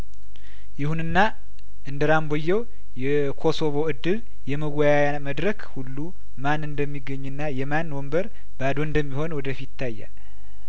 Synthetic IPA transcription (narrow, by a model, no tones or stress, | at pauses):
jɪhunɨnːa | ʔɨnd̪əɾambojːɛw | jɛ | kʰo̞so̞βo̞ɨd̪ːɨl | jɛməɡajajaməd̪ɾəkhulːu | manɨnd̪əmːiɡːəɲːɨnːajɛmanwɔmbəɾ | bad̪oɨnd̪əmːiho̞nwɔd̪əfit̪ʰːajːa̰l